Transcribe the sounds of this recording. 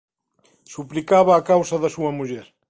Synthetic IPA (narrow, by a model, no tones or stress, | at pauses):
suplikaβɐːkawsɐðɐsuɐmuʎɛɾ